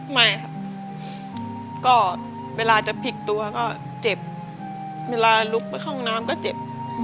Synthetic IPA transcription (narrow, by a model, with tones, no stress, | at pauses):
ma˥˩jkʰa˦˧˩p̚ | kɔː˥˩ | weː˧laː˧t͡ɕa˨˩pʰi˨˧˩k̚t̪u˧ɐ˧kɔː˥˩ | t͡ɕe˨˩p̚ | weː˧laː˧lu˦˥k̚pa˧jxʰɔː˥˩ŋnaː˦˥mkɔː˥˩t͡ɕe˨˩p̚